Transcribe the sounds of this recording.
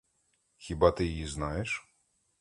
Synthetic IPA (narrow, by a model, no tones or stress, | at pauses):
xʲibɑt̪ɪjɐjiznɑjeʃ